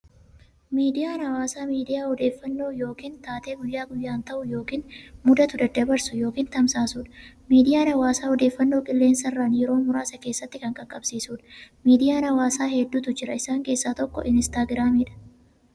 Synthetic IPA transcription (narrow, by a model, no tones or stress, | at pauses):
miːd̪ɪjaːnɐwaːsaːmiːd̪ɪjaːɔd̪e̞ːfːɐnːo̞ːjo̞ːkiːnt̪aːt̪e̞ːɡʊjːaːɡʊjːaːnt̪ɐʔʊjo̞ːkiːnmʊd̪ɐt̪ʊd̪ɐd̪ɐbɐɾsʊjo̞ːkiːnt̪ɐmsaːsuːᶑɐ̥ | miːd̪ɪjaːnɐwaːsaːɔd̪e̞ːfːɐnːo̞ːkʼɪlːe̞ːnsɐrːaːnjɛɾo̞ːmʊɾaːsɐke̞ːsːɐt̪ːɪkɐŋkʼɐkʼːɐbsiːsuːᶑɐ̥miːd̪ɪjaːnɐwaːsaːhɛd̪ːuːt̪ʊd͡ʒɪɾɐɪsaːŋke̞ːsːaːt̪ɔkːɔ̰ʔɪnɪst̪aːɡɪɾaːmiːᶑɐ̥